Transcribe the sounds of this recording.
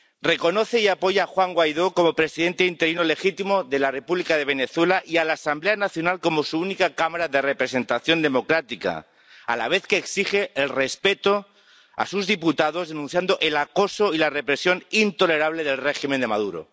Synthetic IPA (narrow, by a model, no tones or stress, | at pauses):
re̞ko̞no̞θe̞iapo̞ʝaːxwaŋɡwajðo̞ko̞mo̞pɾe̞siðe̞nt̪eint̪e̞ɾinole̞xit̪imoðe̞lare̞puβlikaðe̞β̞e̞ne̞θwe̞laʔialaːsamble̞anaθjo̞nalko̞mo̞suunikakamaɾaðe̞re̞pɾe̞se̞nt̪aθjo̞nd̪e̞mokɾat̪ika̰ | a̰la̰β̞e̞θke̞ːksixe̞ːlre̞spe̞t̪o̞ | a̰suzðiput̪aðo̞zðe̞nũn̟θjand̪o̞ʔelako̞soilare̞pɾe̞sjo̞nint̪o̞le̞ɾaβ̞le̞ð̞e̞lre̞ximẽnd̪emað̞uɾo̰